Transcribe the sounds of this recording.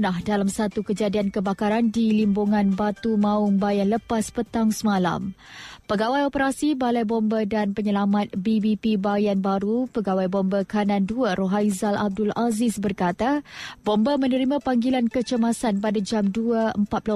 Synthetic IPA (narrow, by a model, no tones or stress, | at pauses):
nahdalamsat̪ukəd͡ʒadiankəbakaɾandilimbuŋãnbat̪umãʊŋbajanləpaspət̪aŋsəmala̰m | pəɡawajopəɾasibalajbɔmbədanpəɲəlamat̪̚bibipibajanbaɾupəɡawajbɔmbəkanãnduəɾoɦaizalʔab̚dʊlazɪsbərkat̪abɔmbəmə̃nəɾimãpaŋɡilankət͡ʃəmasanpadad͡ʒamduəəmpat̪̚pl